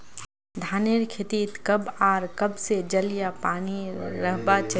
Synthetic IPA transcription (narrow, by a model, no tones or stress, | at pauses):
d̪ʱaːneɾkʰet̪iːt̪kɐbaːɾkəbsed͡ʒəlijapaːniɾəɦbat͡ʃ